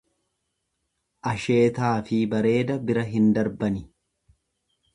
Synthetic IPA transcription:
ʔɐʃe̞ːt̪aːfɪbɐɾe̞ːd̪ɐbɪɾɐɦɪnd̪ɐɾbɐnɪ

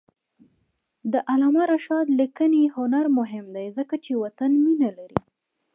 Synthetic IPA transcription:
d̪əʔalɑmaɾaʃɑd̪likənehʊnaɾmʊɦɪmd̪ajzəkat͡ʃewat̪anminalaɾḭ

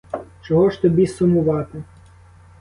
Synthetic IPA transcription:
t͡ʃɔɦɔʃt̪ɔbʲisʊmʊʋɑt̪ɪ

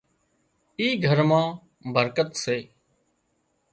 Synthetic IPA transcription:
iːɡʱəɾmãː | bəɾkət̪seː

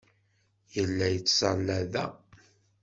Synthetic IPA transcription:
jəlːæjət͡sːsɑlːæðæ

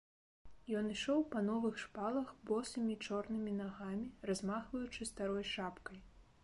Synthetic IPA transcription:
jɔniʂɔwpɐnɔvɨxʂpalˠɐxbɔsɐmʲit͡ʂɔrnɨmʲinaɣamʲirazmaxvɐjut͡ʂɨst̪aɾɔjʂapkɐj

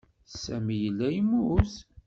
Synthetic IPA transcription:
sæmijəlːæjimus

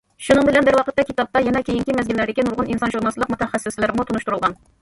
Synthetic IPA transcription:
ʃunɨŋbɪlɛnbɪɾwɑqʰət̪ːɛkʲʰit̪ɑp̚t̪ɑjɛnɛkʲejiŋkʲimɛzɡʲinlːæɾd̪ɪkʲinuɾʁʊninsɑnʒuɾnɑlˠsɨlˠəqmut̪ʰɛχæsːɪslɪɾmut̪ʰunuʃt̪uɾulˠʁɑn

